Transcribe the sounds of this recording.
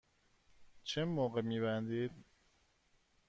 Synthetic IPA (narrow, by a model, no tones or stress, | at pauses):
t͡ʃʰemoːɣemiːβænd̪iːd̪